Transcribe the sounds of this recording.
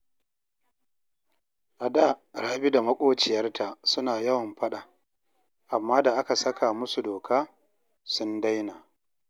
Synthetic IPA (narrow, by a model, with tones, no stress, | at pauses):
ʔa˨daː˦˨ɽaː˦bi˦da˨mɐ˦kʷʼoː˦t͡ʃɪ˨jɐ˦rta˨sʊ˦naː˨jɐ˦wɐ˨mɸɐ˦ɗa˨ | ʔa˨mːaː˦da˨ʔa˦ka˨sɐ˦kʰa˨mʊ˦su˨doː˨kʰaː˦ | sʊ˦nda˦jnaː˨